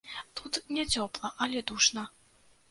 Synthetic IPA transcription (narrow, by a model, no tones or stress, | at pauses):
t̪ut̪nʲɛt͡sʲɔplˠɐʔɐlʲɛd̪uʂnɐ